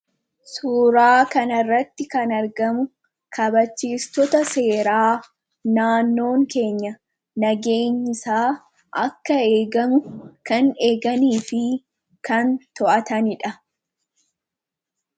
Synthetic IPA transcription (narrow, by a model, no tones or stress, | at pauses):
suːɾaːkɐnɐrːɐt̪ːɪkɐnɐɾɡɐmʊ | kʰɐbɐt͡ʃːiːst̪ɔt̪ɐse̞ːɾaː | naːnːo̞ːŋke̞ːɲːɐ | nɐɡe̞ːɲːɪsaː | ʔɐkːɐe̞ːɡɐmʊkɐne̞ːɡɐniːfɪ | kɐnt̪ɔʔɐt̪ɐnɪᶑɐ